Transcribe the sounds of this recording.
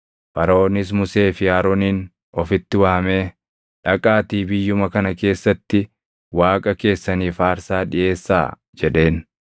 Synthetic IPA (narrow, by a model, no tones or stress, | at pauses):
fɐɾɐoːnɪs̬mʊse̞ːfɪjaːɾoːniːn | ɔfɪt̪ːɪwaːme̞ː | ᶑɐkʼaːt̪iːbɪjːʊmɐkɐnɐke̞ːsːɐt̪ːɪ | waːkʼɐke̞ːsːɐniːfaːɾsaːᶑɪʔe̞ːsːa̰ː | d͡ʒɛᶑe̞ːn